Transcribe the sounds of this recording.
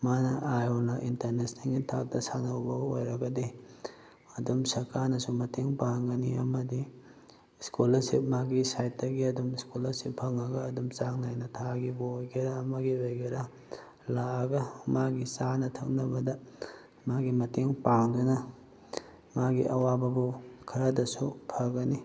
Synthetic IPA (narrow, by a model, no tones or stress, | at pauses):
manɐʔajonɐʔintɐɾnesneŋɡitʰak̚tɐsanɐwbɐɡɐojɾɐɡɐdi | ɐdumsɐɾkanɐsumɐteŋpaŋɡɐniɐmɐdi | skulɐsḭp̚maɡisajt̚dɐɡiɐdumskulɐsippʰɐŋɐɡɐːdumt͡ʃaŋnajnɐtʰaɡiboojɡeɾaːmɐɡiojɡeɾa | laːɡɐmaɡisanɐtʰɐk̚nɐbɐdɐ | maɡimɐteŋpaŋdunɐ | maɡiʔɐwabɐbukʰɐɾɐdɐsupʰɐɡɐni